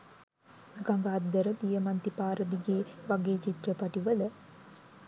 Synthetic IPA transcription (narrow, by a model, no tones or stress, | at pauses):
ɡaŋɡaːd̪ːəɾət̪ijəmant̪ipaːɾəd̪iɡeːʋaɡeːt͡ʃit̪rəpaʈiʋələ